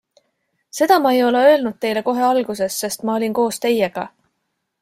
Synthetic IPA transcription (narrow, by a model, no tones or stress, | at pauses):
se̞d̪̥ɑmɑejo̞le̞ø̞elnud̪̥̚t̪e̞jle̞ko̞ɦe̞ɑlɡ̥use̞sːe̞st̪mɑo̞lʲinko̞ːst̪e̞je̞ɡ̥ɑ̰